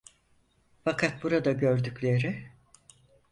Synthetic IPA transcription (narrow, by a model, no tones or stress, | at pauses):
fakʰat̪̚buɾad̪aɟøɾd̪yclʲe̞ɾɪ